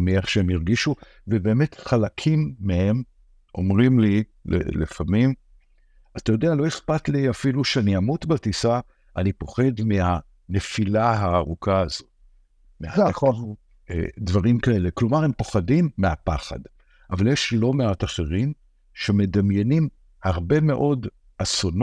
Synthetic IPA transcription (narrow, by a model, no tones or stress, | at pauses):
mie̞χʃeemiʁɡiʃu | vebe̞ːme̞tχalakʰimːehe̞m | ʔo̞̰mʁimli | lḛlifamim | azatajodealo̞eχpatliafiluʃeaniamutbatisa | ʔanipo̞χe̞dmeha | ne̞filaɦaːʁukʰaːzo | meaa | ḛdvaʁimkae̞le̞klomaʁe̞mpo̞χadimːeapaχa̰d | ʔavaljeʃlo̞meataχeʁim | ʃeme̞damjenim | haʁbe̞me̞ʔo̞d | ason